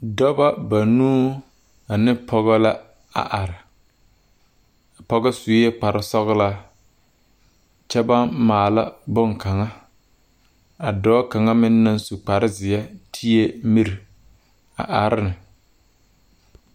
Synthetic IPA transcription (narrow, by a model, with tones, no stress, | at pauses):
dɔ˦ba˦ba˨nũː˦ | a˨nɪ˦pʰɔ˦ɣɛ˦la˦ | a̰˨ʔa˨ɾɪ˨ | a˨pɔ˦ɣɛ˦su˨˦e˦k͡pa˨ɾɪ˦sɔ˦ɣla˦ | t͡ʃɛ˦ba˦nmaː˨la˦bʊ˦ŋka˨ŋa˦ | a˨dɔː˨˦ka˨ŋa˦mɪ˦nːa˦nsu˨k͡pa˨ɾɪ˦zɪ˨jɛ˦tʰi˦e˦mi˦ɾi˨ | a̰˨ʔa˨ɾɪ˦nɪ˨